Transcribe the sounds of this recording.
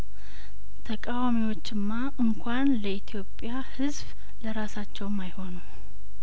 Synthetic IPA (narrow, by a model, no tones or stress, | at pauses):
t̪ʰəkʼawamiwo̞t͡ʃːɪmːa | ɨŋkʷʰanləit̪ʰijo̞pʼːjahɨzb | ləɾasat͡ʃːɛwmajho̞nu